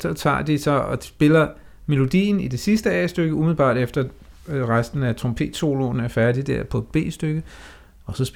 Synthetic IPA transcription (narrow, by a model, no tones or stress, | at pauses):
sɒ̽t͡sʰɑ̰̈ːd̥isɒ̽ɒ̽sb̥e̝lɐ | me̝lo̝d̥ḭːnid̥e̝sisd̥əɛ̰ːsd̥øɡ̥əumiðl̩ˠb̥ɑ̰̈ːd̥efd̥ɐ | ʁasd̥n̩æt͡sʰʁompʰe̝̰ːd̥so̝̰ːlo̝næɐfæɐd̥id̥æɐpʰɒ̽ed̥̚b̥e̝̰ːsd̥øɡ̥ə | ɒ̽sɒ̽sb̥